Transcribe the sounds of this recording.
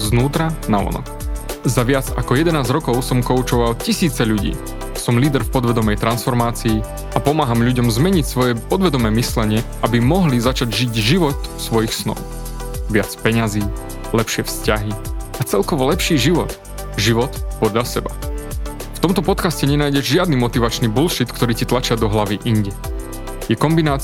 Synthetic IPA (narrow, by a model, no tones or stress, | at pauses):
znuːt̪ɾanaʋɔ̰nɔ̰kzaʋɪad͡zakɔjɛd̪ɛnaːzɾɔkɔʊsɔmkɔut͡ʃɔʋalcisiːt͡sɛʎuɟḭː | sɔmliːd̪ɛɾfpɔd̪ʋɛd̪ɔmɛjt̪ɾansfɔɾmaːt͡siː | apɔmaːɦamʎuɟɔmzmɛɲicsʋɔjɛpɔd̪ʋɛd̪ɔmɛːmislɛɲɪɛʔabimɔɦlizat͡ʃaɟʒiɟʒiʋɔt̪fsʋɔjixsnɔ̰ʊ | ʋɪat͡spɛɲaziː | lɛpʃɪɛfscaɦiat͡sɛlkɔʋɔlɛpʃiːʒiʋɔt̪ | ʒiʋɔt̪pɔd̪lʎasɛba | ft̪ɔmt̪ɔpɔt̪kascɛɲɛnaːjɟɛʒʒɪad̪niːmɔt̪iʋat͡ʃniːbulʃit̪kt̪ɔɾiːcit̪lat͡ʃɪad̪ɔɦlaʋiʔiɲɟɛ | jɛkɔmbinaːt͡s